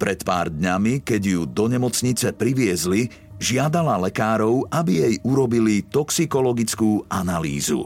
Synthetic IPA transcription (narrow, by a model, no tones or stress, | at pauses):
pɾɛt̪pa̰ːɾd̪ɲamikɛɟjud̪ɔɲɛmɔt͡sɲit͡sɛpɾiʋɪɛzli | ʒɪad̪alalɛkaːɾɔʊʔabijɛjʔuɾɔbilit̪ɔksikɔlɔɡit͡skuːanalḭːzṵ